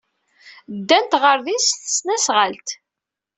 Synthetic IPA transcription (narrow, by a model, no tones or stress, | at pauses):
d̪ːænt̪ʁəɾðisθə̥snæsʁəlt̪